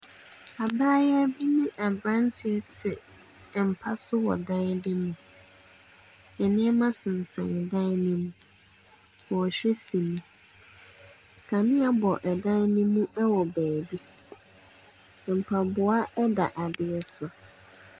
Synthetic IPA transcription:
a˨baː˦jɛ˦bi˦nĩ˦ʔa˨bɾã˦ntʰɪ˦ɛ˦tʰɪ˨ | m̩˨pʰa˦sʊ˦wɔ̰˨dã˦n˦dɪ̃˦mũ˨ | ɛ˨nɪ̃˦ɛ˦mã˦sɪ̃˨n̩˨sã˨n˨dã˦n˦nĩ˦mũ˨ | wɔ˨ɕᶣɛ˦si˨nĩ˦ | kʰa˨nɪ̃˦a˨bɔ˨ʔɛ˨dã˦n˦nʊ̃˦mũ˦ʔɛ˦wɔ˨bæː˨bi˦˨ | m̩˨pʰa˨bʊ˨a˦ʔɛ˦da˨ʔa˨dɪ˨ɛ˨sʊ˨

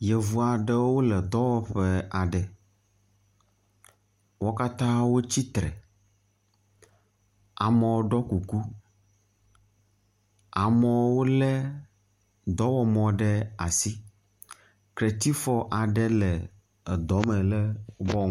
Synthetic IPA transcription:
jɛ˨vu˨a˨ɖɛ˦wo˦lɛ˨d̪ɔ˦wɔ˨ɸɛ˦a˨ɖɛ˨ | wo˦ka˦t̪ã˦wo˦t͡ɕi˦t̪ɾɛ̰˨ | a˨mɛ̃˨wo˦ɖɔ˦ku˨ku˦ | a˨mɔ̃˨wo˦lɛ˦ | d̪ɔ˦wɔ˦mɔ̃˨ɖɛ˦a˨si˦ | klɛ˨t̪i˦fɔ˦ʔa˨ɖɛ˦lɛ˨ | d̪ɔ˨˦mɛ̃˨lɛ˦bɔ˦

